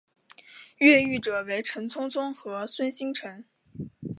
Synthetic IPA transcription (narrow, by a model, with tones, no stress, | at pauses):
ɥɛ˥˧y˥˩ʈ͡ʂɤ˨˩we˧˥ɪʈ͡ʂʰə˧˥ŋt͡sʰʊ˥ŋt͡sʰʊ˥ŋxɤ˧˥swə˥nɕi˥ŋʈ͡ʂʰɤ˧˥ŋ